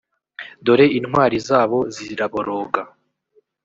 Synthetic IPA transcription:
do̞ɾe̞inhwaːɾizaːβo̞ziɾaβoɾoːɡa

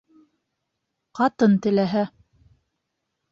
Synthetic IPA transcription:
qɑt̪ɤnt̪ɘ̆læɦæ

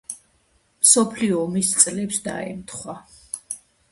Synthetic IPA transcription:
msɔpʰliɔːmist̪sʼlɛpsd̪a̰ɛ̰mt̪ʰχwa

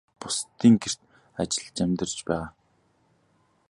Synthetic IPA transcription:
pʊst̪iːŋɡer̥t̪ | at͡ɕɪ̆ɮt͡ɕæmʲt̪ə̆rt͡ɕpæːʁaː

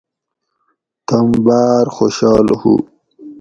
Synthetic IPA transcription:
t̪ɐmbaːɾxoɕɑːlhṵ

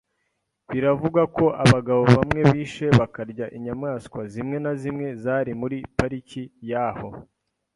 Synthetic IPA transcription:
βiɾavuɡako̞ʔaβaɡaβo̞βamŋe̞βiːʃe̞βakaɾɟaʔiɲamŋaːskwazimŋe̞nazimŋe̞zaːɾimuɾipaɾicijaːho̞

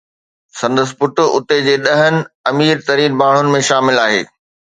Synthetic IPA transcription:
sɐ̃nd̪əs̬ɪ̥̆pʊʈʊ̆ʊ̰t̪ed͡ʑeːɗɐɦənɪ̆ɐmiːɾt̪ɐɾiːnbaːɳ̤ʊnɪ̆mẽʃaːmɪlaːɦḛː

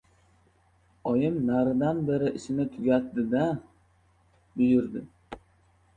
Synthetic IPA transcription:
ɒjɪmnaɾɪd̪anbeɾɪʔɪʃɪnɪt̪ʰʊɡʲat̪ːɪd̪a | bʊjɪɾd̪ɪ

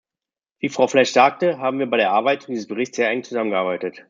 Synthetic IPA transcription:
v̥iːfʁ̥aʊflaçz̥aːk̚təɦaːbm̩viːɐbaɪɾeːɐʔaɐbaɪtdizəsb̥əʁɪçt͡ssheːɐɛŋ̩t͡suzamənɡəʔaːbaɪtət

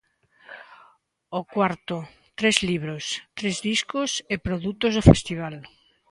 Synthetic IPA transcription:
okwaɾt̪ʊ | t̪ɾezliβɾost̪ɾezðiskʊsepɾoðut̪ʊzðofḛst̪iβ̞al

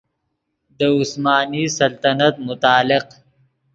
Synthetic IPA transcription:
d̪əʊsmɑːnisɐlt̪ɐnɐt̪̚mʊt̪ɑːlɪq

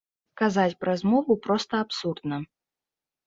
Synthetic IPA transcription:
kazat͡sʲpɾɐzmɔvupɾɔst̪ɐapsurd̪nɐ

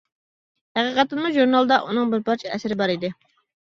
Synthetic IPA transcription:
hæqʰiqɛt̪ɨnmuʒuɾnɑlˠd̪ɑʔunɨŋbɪɾbɑɾt͡ʃʰɛɛsɪɾɪbɑɾid̪ɪ

